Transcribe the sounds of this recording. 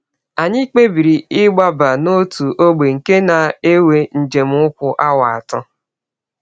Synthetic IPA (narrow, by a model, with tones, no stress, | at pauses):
a˨ɲɪ˦k͡pe˦bi˨ɾi˨ɪ˦ɡ͡ba˦ba˨no˦tu˨ʔo˦ɡ͡be˨ŋ̩˨ke˦na˨e˦we˦n̩˨d͡ʒe˨m̩˦ʊ˦kʷʊ˨ʔa˦wa˨a˨tɔ˦